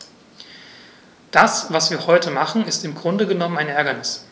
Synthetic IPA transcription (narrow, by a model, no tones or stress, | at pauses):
d̥asvasv̥iːɐhɔʏtəmaχn̩ɪstɪmɡʁʊndəɡənɔmənaɪnɛɐɡɐnɪs